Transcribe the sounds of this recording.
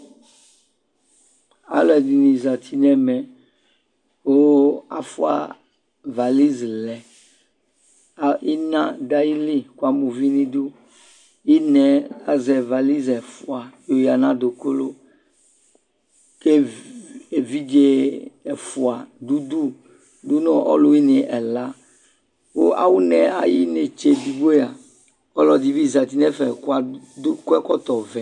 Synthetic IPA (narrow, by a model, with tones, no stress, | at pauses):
a̰˨lɔ˨˦ɛ˨di˨nĩ˨za˨t̪ʰi˦nɛ̃˦mɛ̃˨ | wo˦a̰˨fṵ˦a̰˦˨ | va˨li˦zlɛ˨ | i˦nã˦d̪a˦ji˦li˦ku˦a˨mũ˨vi˦nĩ˦d̪u˦ | i˦nɛ̃˨la˦zɛ˨va˨li˦zɛ˨fu˨a˨jo˨ja˨nã˦d̪o˨ko˦lo˦ | ke˦ | e˨vi˦d͡ʒe˦ɛ˨fu˨a˨d̪u˦d̪u˦ | du˦nɔ̃˦ʔɔ̰˦lo˦ji˦ne˨ʔɛ˨la˦ | wo̰˦ʔa̰˨wu˦nɛ˨a̰˨ji˦ne˨t͡ʃe˨di˨ɡ͡bo˦ja˨ | ɔ˦lɔ˨d̪i˨vi˦˨za˨t̪i˨nɛ˦fɛ˨ku˦a˨˦kɛ˦kɔ˦t̪ɔ˨vɛ˨